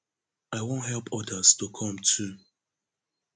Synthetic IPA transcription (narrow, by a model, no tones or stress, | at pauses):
aɪwõʊntɦɛlˠpʰɔdəztokʰɔ̃mtʰu